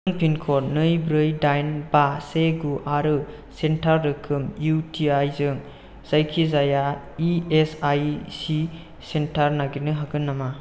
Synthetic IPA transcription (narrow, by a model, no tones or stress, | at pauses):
ɯŋpʰinkʰɔɾnɯjbɾɯjdajnbaseɡuʔaɾɯ | sentʰaɾdɯkʰɯmjutʰiajzɯŋ | z̥ajkʰizaja | iesajsi | sentʰaɾnaɡinɯɦaɡɯnːama